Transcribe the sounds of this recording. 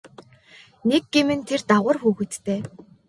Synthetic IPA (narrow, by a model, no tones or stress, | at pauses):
neɡ̚ɡemɘ̆nt̪ʰert̪aʁʊ̆ːrxuːɣŭt̪ːeː